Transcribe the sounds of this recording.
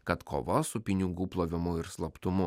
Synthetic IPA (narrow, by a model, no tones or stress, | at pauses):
kɐt̪kʰo̰ːʋɐsʊpʲɪnʲɪɡuːplˠoːʋʲɪmʊɪɾslˠɐpt̪ʊmʊ